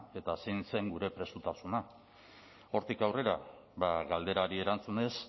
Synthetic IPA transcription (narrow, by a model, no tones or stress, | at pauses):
e̞t̪ase̞jnse̞ŋɡuɾe̞pɾe̞sut̪asuna | o̞ɾt̪ikawre̞ɾa | βaɣald̪e̞ɾaɾie̞ɾant͡sune̞s